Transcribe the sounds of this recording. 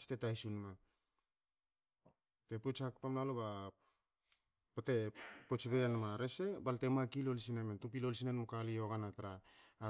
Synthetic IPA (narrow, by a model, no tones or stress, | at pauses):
stetajsunma | tepot͡ʃakpamnaloba | pate̞pot͡ʃbeanmaɾese̞balte̞makilo̞lisinementup̬ilols̬inenmukalio̞ɡanataɾaː